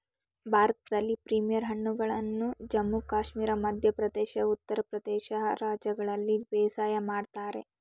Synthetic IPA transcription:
bʱaːɾɐt̪ɐd̪ɐlːipɾimijɐɾɦɐɳːuɡɐɭɐnːud͡ʒɐmːukaːʃmiːɾɐmɐd̪ʱjɐpɾɐd̪ɛːʃɐut̪ːɐɾɐpɾɐd̪ɛːʃɐɾaːd͡ʒjɐɡɐɭɐlːibɛːsaːjɐmaːɖt̪aːɾḛ

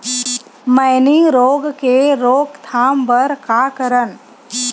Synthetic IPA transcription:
məɪniɾoːɡkeɾoːɡt̪ʰaːmpəɾkakəɾən

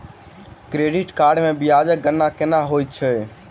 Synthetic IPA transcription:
kɾeɖiʈkaɾɖmẽbijad͡ʒək̚ɡənːakenaɦojt̪̚t͡ʃʰə

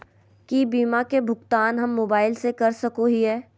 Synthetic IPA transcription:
kibiːmakebʱʊɡt̪aːnɦɐmːoːbaːɪlsekɐɾsɐkoɦiɦɛː

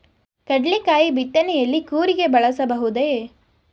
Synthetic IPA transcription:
kɐɖɭikaːjibiʈːɐnejɐlːikuːɾiɡe̞bɐɭɐsɐbɐɦud̪eː

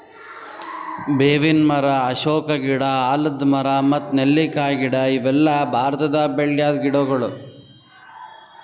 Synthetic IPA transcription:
beːʋinmɐɾɐːʂoːkɐɡiɽɐaːlɐd̪mɐɾɐmɐt̪ːnelːikaːjɡiɽɐiʋɛlːɐbʱaːɾɐt̪ɐd̪ɐbeɭjaːd̪ɡiɽoɡɐɭu

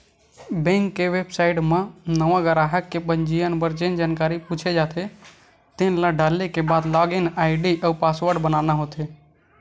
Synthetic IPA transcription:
bɛ̃ŋkːeʋebsaiʈmẽnəʋãɡəɾaɦəkːebənd͡ʒijənbəɾd͡ʒend͡ʒankaɾiput͡ʃʰed͡ʒat̪ʰe | t̪enlaɖalːekebad̪laɡenaiɖiʔəupasʋəɾɖbənanaɦot̪e

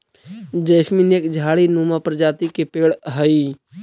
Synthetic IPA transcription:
d͡ʒəɪsmineːkd͡ʒʱaːɽinuːmapɾəd͡ʒaːt̪ikepeːɽɦəi

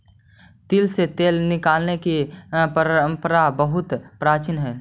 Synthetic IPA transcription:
t̪ilset̪eːlnɪkaːlnekipəəmpɾabəɦʊt̪pɾaːt͡ʃinɦɛː

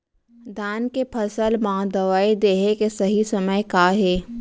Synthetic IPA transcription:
d̪ʱaːnkepʰɐsəlmãːd̪ɐʋaːid̪eːɦekesɐɦisɐməjkaːɦeː

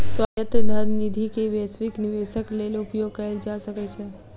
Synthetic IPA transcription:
sʋəjət̪d̪ʱəd̪nid̪ʱikeʋesʋɪknɪʋeʃəkleloʊpjoɡ̚kəeld͡ʒaʃəket͡ʃʰe

